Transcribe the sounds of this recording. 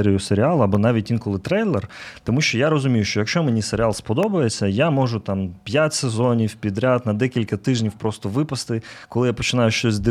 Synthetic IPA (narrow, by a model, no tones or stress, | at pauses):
ɛɾʲijʊseɾʲɪalˠɐɐbɔnɑʋʲitʲʋʲinkɔlˠɪt̪ɾɛjlˠɛrt̪ɔmuʃt͡ʃɔjaɾɔzʊmʲijʊʃt͡ʃɔjɐkʃt͡ʃɔmenʲiseɾʲɪalˠspɔd̪ɔbɐjet͡sʲːɐjamɔʒʊt̪ɑmpʲjatʲsezɔnʲiwpʲid̪ɾʲad̪nɐd̪ɛkʲilʲkɐt̪ɪʒnʲiwpɾɔst̪ɔʋɪpɐst̪ɪkɔlˠɪjapɔt͡ʃɪnɑjʊʃt͡ʃɔsʲzʲzd̪ɪ